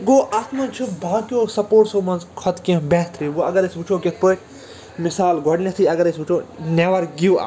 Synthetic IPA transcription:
ɡoːʔɐt̪mɐnt͡ʃʰubʱaːkʲoːsɐpoːʈsoːmɐnzkʰɐt̪kẽbɛːt̪ɾiʋuɐɡɐɾesʲʋut͡ʃʰoːket̪̚ʰpoːk | misaːlɡʱoɽnʲɐt̪ʰiːɐɡɐɾesut͡ʃʰoːneʋɐɾɡiwa̰

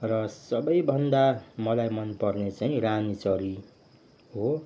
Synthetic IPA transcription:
rʌsʌbʌjbʱʌnd̪amʌlajmʌnpʌrnet͡saĩɾanit͡sʌɾi | ɦo

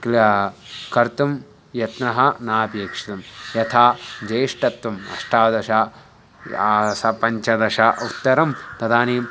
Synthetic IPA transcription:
kl | kɐɾt̪um | jɐt̪nɐɦɐnaːpjeːkʂi̥t̪ɐmjɐt̪ʰaːd͡ʒeːʂʈɐt̪ːʋɐmɐ̰ʂʈʰaːd̪ɐʃɐ | sɐpɐɲt͡ʃɐd̪ɐʃɐut̪ːɐɾɐmt̪ɐd̪aːneːm

